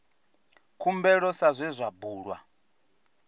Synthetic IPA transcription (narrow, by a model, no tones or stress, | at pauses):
kʰumbɛɺɔsazʷɛzʷabuːɺwa